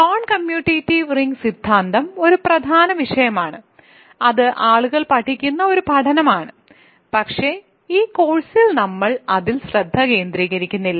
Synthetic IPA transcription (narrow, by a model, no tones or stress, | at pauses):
noːɳkɐmjuːʈitːiʋriŋɡsid̪ʱːaːnd̪ɐmo̞ɾuprɐd̪ʱaːnɐʋiʂɐjɐmaːɳɨ | ɐðɨʔaːɭuɣɐɭpɐʈʰːikʲːunːɐo̞ɾupɐʈʰɐnɐmaːɳɨ | pɐkʂe̞ | iːko̞ːɻsilnɐmːɐɭɐðilɕrɐd̪ʱːɐke̞ːnd̪ɾiːɣɐɾikʲːunːilːɐ